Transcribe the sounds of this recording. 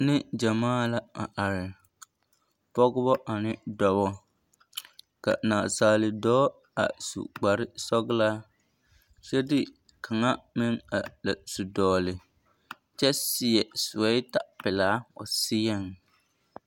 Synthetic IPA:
nɪ˦d͡ʒa˨maː˦la˦a̰˨ʔa˨ɾɪ˨ | pɔ˦ɡʊ˦bɔ˦ʔa˨nɪ˦dɔ˨βɔ˦ | ka̰˨naː˨saː˨lɪ˨dɔː˦ | a̰˨sṵ˨ɡ͡ba˨ɾɪ˦sɔ˦ɡɪ˦la˦ | t͡ʃɛ˦dɪ˦ | kʰa˨ŋa˦mɪ˦ŋa̰˨la˨su˨dɔː˨lɪ˨ | t͡ʃɛ˦sɪ˨ɛ˨sʊ˨wɛ˦ɪ˦ta˨ʔpɪ˨laː˦o̰˨sɪ˦jɛ˦˨ŋ

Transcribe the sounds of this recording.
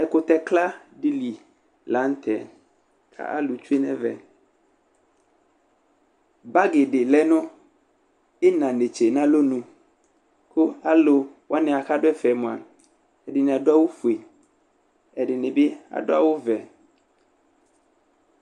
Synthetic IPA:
ɛ˨kʊ˨t̪ɛ˦kla˦ɖi˦li˨ | la˨˦n˦t̪ʰɛ˨ | kʰa̰˦ʔa̰˦lu˨t͡ʃu˦e˦nɛ̰̃˦vɛ̰˨ | ba˦ɡɪ˨ɖɪ˨lɛ˦nʊ̃˦ | ɪ˦nã˨ne˨t͡ʃe˨nã˦lo˦nũ˨ | ko˦a˦lo˨ | wʔa˦nɪ̃˨a˨xa˦ɖʊ˦ɛ˦fɛ˨mũ˨a˨ | ɛ˨dɪ˨nɪ̃˨a˨dʊ˦a˦wo˦fu˨e˨ | ɛ˨ɖɪ˨nɪ̃˨bɪ˦a̰˨dʊ˦a̰˦wo˦vɛ˨

